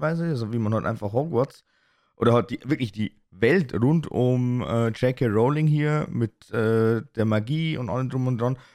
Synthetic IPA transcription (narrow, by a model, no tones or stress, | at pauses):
vaɪzəazoviːmanhaltʔa̰ɪnfaχhɔɡwɔt͡s | ʔo̰ːɾɐhat̚d̥iːvɪɐklɪçd̥iː | vɛltʁʊntʊmɛːt͡ʃɛkəʁoʊlɪŋɦiːɐmɪtʔɛːd̥eːɐmaɡiːʊ̰ntʔa̰ləmdʁʊmʊnd̥ʁan